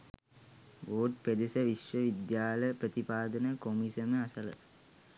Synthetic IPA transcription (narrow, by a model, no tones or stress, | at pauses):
ʋoːʈ̚ped̪esəʋiʃʋəʋid̪jaːləprət̪ipaːd̪ɐnəkomisɐməasələ̰